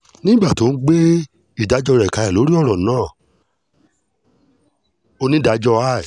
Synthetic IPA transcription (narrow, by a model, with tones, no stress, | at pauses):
nĩ˦ɡ͡ba˦˨to˨˦n̩˦ɡ͡be˦ | i˦˨da˨˦d͡ʒɔ˧ɾɛ˨ka˨˧ɛ˨lo˨˦ɾi˦ɔ˦˨ɾɔ̃˨˦ãː˦˨ | o˧nĩ˦da˨˦d͡ʒɔ˧a˦˨i˨